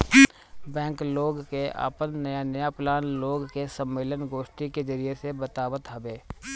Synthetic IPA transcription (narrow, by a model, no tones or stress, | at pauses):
bɛ̃ːŋkloːɡkeʔa̰ːpənːɐjanəjaplaːnloːɡkesəmːeːlənɡoːʃʈiked͡ʒɐɾiesebət̪aːbət̪ɦɐbeː